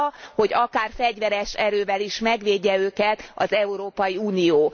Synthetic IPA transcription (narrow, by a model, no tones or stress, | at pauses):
ho̞ɟɒkaːrfɛɟʋɛɾɛʃɛɾøːvɛliʃmɛɡʋeːɟːɛøːkɛt̪ɒzɛuɾoːpɒjiuːnijoː